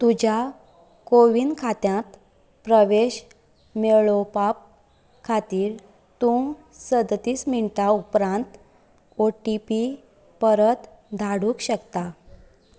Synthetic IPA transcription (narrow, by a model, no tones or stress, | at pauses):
t̪ud͡ʑa | koʋinkʰat̪jãt̪ | pɾəʋeɕ | meɭopap̚ | kʰat̪iːɾ | t̪ũ | səd̪t̪iːsmiɳʈaupɾãnt̪ | oʈipi | pəɾət̪ | d̪ʱaɽũːkɕəkt̪a